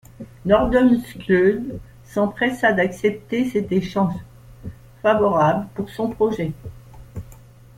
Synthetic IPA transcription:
nɔʁd̪ɔmsklød̪ | sɑ̃pχɛsad̪aksɛp̚t̪esɛt̪eʃɑ̃ʒ | favɔʁabləpuʁsɔ̃pχɔʒɛ

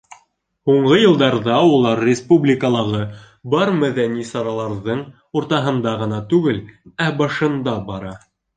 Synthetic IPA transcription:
huɴɢɤjɤ̆lˠd̪ɑɾðɑulˠɑɾːʲɪspublʲɪkəlˠɑʁɤ | bɑɾmæðænisɑɾɑlˠɑɾðɤɴ | uɾt̪ɑɦɤ̆nd̪ɑʁɤ̆nɑt̪ʉɡɘlæbɑʃɤ̆nd̪ɑbɑɾɑ

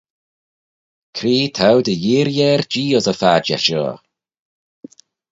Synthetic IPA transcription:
kʰɾiːtʰawdəjiːɾjɛːrd͡ʒiːɔzəfaːd͡ʒɛ̰ʃɔ̰ː

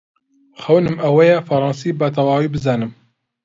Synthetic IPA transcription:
xɐwnɨmɐwɛjɛfɐɾˤɑːnsiːbɐt̪̬ɑwɑːwiːbɨzɑːnɨm

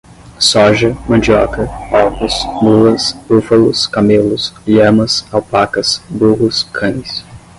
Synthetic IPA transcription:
sɔʒɐmɐ̃d͡ʒiɔkɐɔwkʊsmuɐsbufɐlʊskamelʊsʎɐ̃mɐsawpakɐsbuɦʊskʰɐ̃nɪs

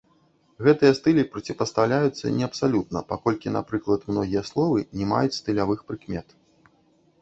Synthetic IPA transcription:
ɣɛt̪ɨjɐst̪ɨlʲipɾɐt͡sʲipɐst̪awlʲajut̪sːɐ̰nʲɛɐpsalʲut̪nɐpakɔlʲkʲina̰pɾɨklˠɐt̪mnɔɣʲijɐslˠɔvɨnʲɛma̰jut͡sʲst̪ɨlʲavɨxpɾɨkmʲɛt̪

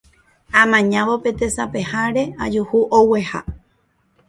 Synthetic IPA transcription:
ãmãɲãʋo̞pe̞t̪e̞sape̞haɾe̞ad͡ʒuhuʔoweha̰

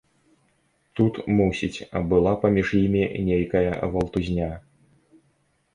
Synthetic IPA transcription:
t̪ut̪musʲit͡sʲɐ̰bɨlˠapɐmʲiʐjimʲinʲejkɐjɐ̰vɐlˠt̪uzʲnʲa

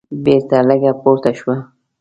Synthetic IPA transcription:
beɾt̪aləɡapoɾt̪aʃwa

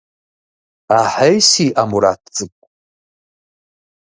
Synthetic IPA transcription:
aħajsiʔamuɾa̰t̚ʰt͡sʼɨkʷʼ

